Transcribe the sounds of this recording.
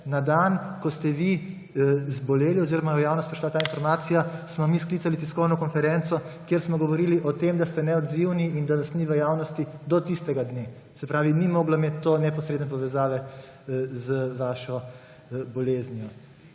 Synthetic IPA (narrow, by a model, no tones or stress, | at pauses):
nad̪ankɔst̪ɛʋi | zbɔleːliɔziɾɔmajɔjaːwnɔst̪pɾɛʃlat̪aːinfɔɾmaːt̪sijasmɔmisklitsalit̪iskɔwnɔkɔnfɛɾɛnsɔkjeɾsmɔɡɔʋɔɾiːliʔɔt̪emd̪ast̪ɛnɛɔd̪ziwniind̪aʋasniʋəjaːwnɔst̪id̪ɔt̪ist̪ɛɡad̪ne | sɛpɾaːʋinimoːɡlɔmeːt̪ːoːnɛpɔsɾed̪nɛpɔʋɛzaːʋɛ | zəʋaːʃɔ | bɔleːznijɔ